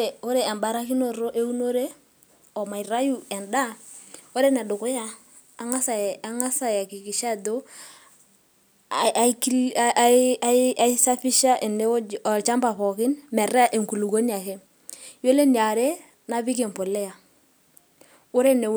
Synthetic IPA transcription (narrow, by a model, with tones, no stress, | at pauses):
e˨o˦ɾe˨ɛ˨mba˨ɾa˦ki˦no˦˨ɾo˦ʔe˦u˦no˦ɾe˦ | ɔ˨ma˨i˨ɾa˦ju˦ɛ˨nda˦o˦ɾe˦nɛ˨dʊ˨kʊ˦jaː˦˨˦ | ŋa˦sa˨a˨˦ŋa˦sa˦ja˨ki˨ki˨ʃa˦˨do˦ | a˦kɾ | a˦a˦i˦sa˦fi˦ʃa˦ʔe˨ne˦ɔ˨t͡ʃa˦mba˨pɔ˨kɪ˦nmɛ˨ɾa˦ʔe˨ŋku˨lu˨ɡo˦ni˦a˨ke˦ | jo˦le˦ni˨a˨ɾe˦ | na˦bi˦ke˨mpo˨lɛ˦ja˨ | ʊ˦ɾe˦ne˨˦